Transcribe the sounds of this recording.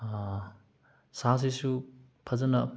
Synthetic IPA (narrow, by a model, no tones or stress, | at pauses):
sas̬isu | pʰɐzɐnɐ